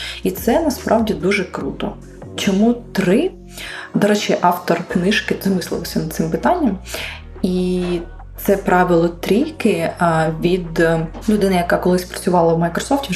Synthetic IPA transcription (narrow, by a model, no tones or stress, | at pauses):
it̪sɛnɐspɾʔɑwdʲid̪uʒɛkɾut̪ɔ̰ | t͡ʃɔmut̪ɾɪ | d̪ɔɾɛt͡ʃɪʔɑft̪ɔrknɪʃkɪzmɪsˠɪ̰lˠɔsʲɐnɐt̪sɪmpɪt̪ɑnʲːɐm | i | t̪sɛpɾɑʋʲɪlˠɔt̪ɾʲijkɪʋʲid̪lʲʊd̪ɪnɪjɐkɑkɔlˠɪsʲpɾɐt͡sʲʊʋɑlˠɐwmɐjkɾɔsɔftʲi